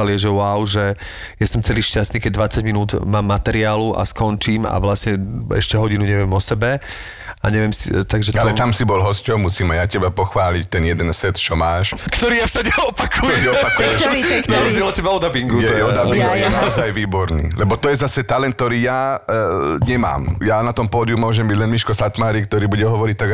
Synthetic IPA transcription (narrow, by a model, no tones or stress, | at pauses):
alɪɛʒɛʊaʊʒɛ | jasɔmt͡sɛliːʃcast̪niːkɛɟ̚d̪ʋat͡saɟminuːd̪maːmːat̪ɛɾɪaːluʔa̰skɔnt͡ʃiːma̰ʋlasɲɛɛ̰ʃcɛɦɔɟinuɲɛʋɪɛmɔsɛbɛ | a̰ɲɛʋɛmsḭt̪aɡʒɛt̪lɔɛt̪amsibɔlɦɔscɔʊmusiːmajacɛbapɔxʋaːlict̪ɛnjɛd̪ɛnsɛt̪t͡ʃɔmaːʃkt̪ɔɾiːjafsaɟɛɔpakʰuɛɛɔpakuɛaɾɔzd͡ʑɪɛlɔcɛbaɔd̪abiŋɡutɛɔɔɛd̪abiŋɡɔjnaɔzajʋiːbɔɾnḭːlɛbɔt̪ɔjɛzasɛt̪alɛnt̪ɔɾiːja | ɲɛma̰ːmjanat̪ɔmpɔːd̪iumʊɔʒɛmbiɟlɛnmiʃkɔsat̪maːɾik̚t̪ɔɾiːbuɟɛɦɔʋɔɾic̚t̪aɡ